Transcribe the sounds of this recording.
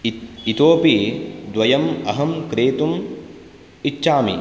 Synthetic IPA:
it̪oːpid̪ʋɐjɐmɐɦɐmkɾeːt̪um | itːʃaːmḭ

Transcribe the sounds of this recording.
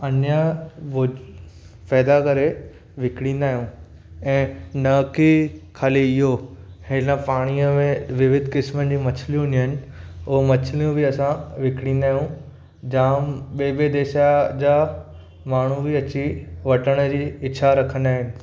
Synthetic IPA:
ɐnjəʋʊ | pɛːd̪akɐɾe | ʋɪkɽ̃ĩːnd̪aːɦijũ | ɛ̃ːnɐkikʰaːliɪɦohɪnəpaːɽ̃ijəmẽʋɪʋɪd̪ʱkɪsmənɪ̆d͡ʑiːmɐt͡ɕʰlijũɪniənɪ̆ʊɦomɐt͡ɕʰlijũbiɐsãʋɪkɽ̃ĩːnd̪aːɦjũ | d͡ʑaːmɓeːɓed̪eːʃad͡ʑaː | maːɳ̤ubʱiɐt͡ɕiʋɐʈəɽ̃əd͡ʑiːɪt͡ɕʰaɾɐkʰə̃nd̪aːɦɪnɪ̆

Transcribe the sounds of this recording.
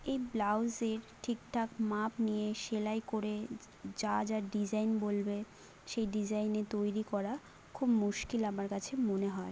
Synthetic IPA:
ejblawzeɾʈʰik̚ʈʰakmapnijeʃelajkoɾe | d͡ʑad͡ʑaɾɖid͡ʑajnbolbe | ʃejɖid͡ʑajnet̪ojɾikɔɾa | kʰubmuʃkilamaɾkat͡ɕʰemoneɦɔe

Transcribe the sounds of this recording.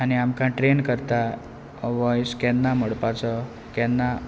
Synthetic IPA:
añiamkãʈɾenkəɾt̪a | ʋɔjskɛnːaməɽpat͡sə | kɛnːa

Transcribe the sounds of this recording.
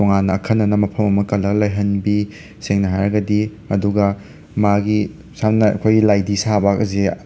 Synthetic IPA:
toŋanːɐːkʰɐnːɐnɐmɐpʰɐmɐmɐkɐlɐklɐjɦɐnbi | seŋnɐɦajɾɐɡɐdi | ɐduɡɐ | maɡi | samnɐɐ̰kʰojɡilajdisabakɐze

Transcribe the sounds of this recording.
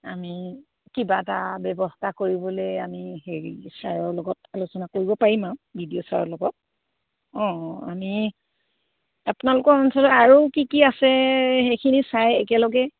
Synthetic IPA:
ami | kibatabjɛbɔstakoɹibɔlejamiheɹisaɹɔɹlɔɡɔtalusɔnakoɹibɔpaɹimãbʱidiɔsaɹɔɹlɔɡɔt̚ | ɔ̃a̰mi | apʊnalʊkɔɹɔnsɔlɔaɹukikiasɛhejkʰinisajɛkɛlɔɡɛ

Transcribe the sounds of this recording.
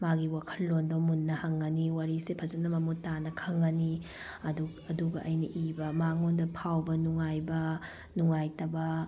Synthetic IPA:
maɡiwakʰɐlːondɔmunːɐhɐŋɡɐniwaɾisepʰɐzɐnɐmɐmutanɐkʰɐŋɡɐni | ɐdu | ɐduɡɐʔɐjnɐʔibɐmaŋondɐpʰawbɐnuŋajbɐ | nuŋajtɐbɐ

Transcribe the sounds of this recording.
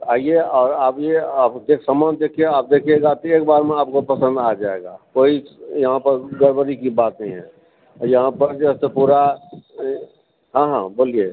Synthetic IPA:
aːieɔːɾaːpjeapd̪ekʰsəmand̪ekʰieaːp̚d̪ekʰieɡat̪oeːkbaːɾmẽaːp̚kopəsə̃nd̪ad͡ʒaeɡakoːijəɦãpəɾɡəɾbəɾikibaːt̪nəɦĩɦɛ̰̃ | ɔjəɦãpəɾd͡ʒəst̪epuɾa | ɦãɦãboːlije

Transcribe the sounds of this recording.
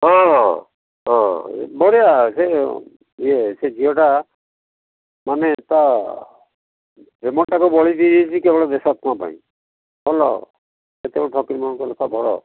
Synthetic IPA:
ɔ | ɔ̰bɔɾijase | iesed͡ʒiɔʈa | manet̪a | pɾemɔɳʈakubɔɭid̪id̪ʱit͡ʃʰikebɔɭɔd̪esat̪uãpa̰ḭ̃ | bɔlɔ̰ | et̪ebɔɽɔʈʰɔkiɾmɔɔ̃kɔlɔkʰabʱɔɾɔ̰

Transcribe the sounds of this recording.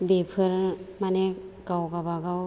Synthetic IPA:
bepʰɯɾmanekawɡabaɡaw

